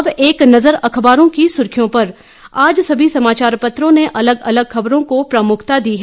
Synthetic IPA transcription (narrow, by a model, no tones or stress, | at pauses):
ɐbeːknɐzəɾɐkʰbaːɾõkisʊɾkʰjõpɐɾ | aːd͡ʒsɐbʱisɐmaːt͡ʃaːɾpɐt̪ɾõneʔɐləɡɐləɡxɐbɾõkopɾɐmʊkʰt̪ad̪iːɦɛ